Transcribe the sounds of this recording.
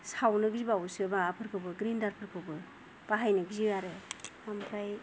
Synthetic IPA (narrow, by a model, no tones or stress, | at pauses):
sawnɯɡzibawsɯbaapʰɯɾkʰɯwbɯɡɾindaɾpʰɯɾkʰɯwbɯ | b̥aɦajnɯɡziaɾɯampʰɾaj